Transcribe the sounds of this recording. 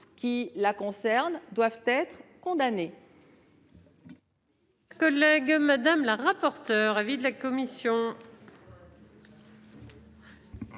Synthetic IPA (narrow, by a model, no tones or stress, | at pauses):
kʲilakɔ̃sɛʁnd̪wavt̪ɛt̪χkɔ̃d̪ane | kɔlɛɡmad̪amlaʁapɔʁt̪œʁavid̪əlakɔmisjɔ̃